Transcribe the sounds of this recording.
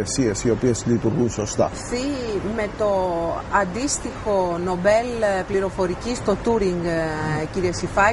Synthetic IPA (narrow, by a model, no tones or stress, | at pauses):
esiesio̞pie̞slit̪uɾɣunso̞st̪ɐ̰θime̞t̪o̞ɐnd̪ist̪ixo̞no̞be̞lpliɾo̞fo̞ɾicist̪o̞t̪uɾiŋɡciɾiɐsifɐ